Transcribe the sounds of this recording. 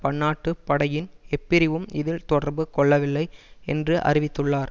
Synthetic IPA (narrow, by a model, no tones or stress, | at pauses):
pɐɳːaːʈːɯpːɐɽɐjɪnɛpːɪɾɪʋɯmɪðɪlt̪ɔɽɐɾbɯkɔɭːɐʋɪlːɐɪɛ̰ndrɯʔɐ̰ɾɪʋɪt̪ːɯɭːaːɾ